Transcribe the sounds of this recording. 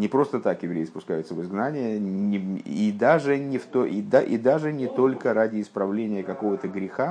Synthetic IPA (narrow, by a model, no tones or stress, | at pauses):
nʲɪpɾo̞st̪ət̪akjɪvɾʲejɪspʊskajʊt̪səvɨzɡnanʲɪjəɪid̪aʐɨnʲɪft̪oʔid̪aʔid̪aʐɨnʲɪt̪o̞lʲkəɾadʲɪːspɾɐvlʲenʲɪjəkɐko̞vət̪əɡɾʲɪxa